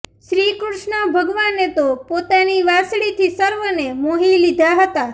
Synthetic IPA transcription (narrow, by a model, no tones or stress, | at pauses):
ʃɾikɾuʃɳəbʱəɡʋanet̪opot̪aniʋasɽit̪ʰisəɾʋənemoɦilid̪ʱaɦət̪a